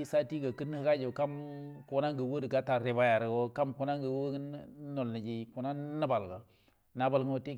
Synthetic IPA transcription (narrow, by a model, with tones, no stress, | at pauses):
sa˦ti˦ɡa˨ki˦n˦hka˦d͡ʒo˨ka˦mko˨na˦ŋɡə˨wo˦di˨ɡa˦ta˨ɾe˨ba˦ja˨ɾɡo˦ka˦mku˨na˦ŋɡə˨wo˦i˦n˦no˨lːi˨d͡ʒi˦ku˨na˦na˦ba˨lɡa˨ | na˨˦ba˨lŋ˦o˨te˦